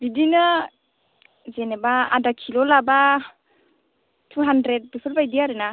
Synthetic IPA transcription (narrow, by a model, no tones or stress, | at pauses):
bidina | zenebaa̰dakʰilolaba | t̪ʰuɦandɾed̪̚besulbajd̪iaɾena